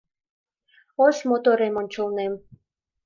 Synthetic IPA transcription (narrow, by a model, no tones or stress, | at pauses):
osmot̪oɾemonʲt͡ɕolnem